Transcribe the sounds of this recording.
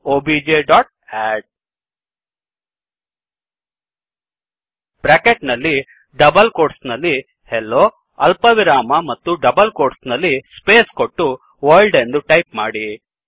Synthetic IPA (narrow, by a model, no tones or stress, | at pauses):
oːbiːd͡ʒeːɖɔːʈ̚ | eːʈ̚ | b̥ɾakeʈnɐlːi | ɖɐbɐlkoːʈsnɐlːi | helːoː | ɐ̰lpɐʋiɾaːmɐmɐt̪ːuɖɐbɐlkoːʈsnɐlːispeːskoʈːu | ʋɐːlɖend̪uʈɐjpmaːɽi